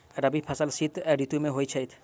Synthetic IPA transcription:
ɾabipʰasalsit̪ɾit̪umeɦojt͡ʃʰajt̪ʰ

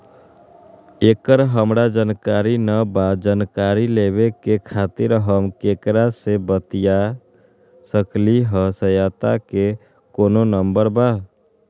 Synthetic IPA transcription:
ekəɾɦəmɾad͡ʒənkaɾinəbad͡ʒənkaɾileβekekʰaːt̪ɪɾɦəmkekɾasebət̪ija | səkliɦəsəjat̪ake | koːnonəmbəɾba

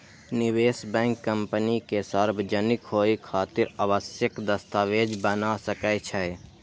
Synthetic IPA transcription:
nɪweːsbɛ̃ːŋkːə̃mpənikesəɾbʱd͡ʒənɪkɦoːikʰaːt̪ɪɾabəsjəkd̪əst̪aːʋeːd͡ʒbənasəkət͡ʃʰɛe

